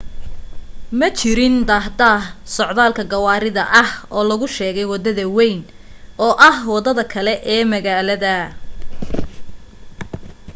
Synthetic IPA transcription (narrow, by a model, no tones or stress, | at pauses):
mɐt͡ʃʰɪɾɪnd̪aːɦd̪aːhsɔʕðaːlkʰɐɡɐwaːɾɪðɐʔɐhɔːlɐɣʊʃɛːɣɛjwɑd̪ɐðɐwɛjn | ʔɔːʔɐhwɑðɐðɐkʰɐlɛʔɛːmɐɣaːlɐðɐ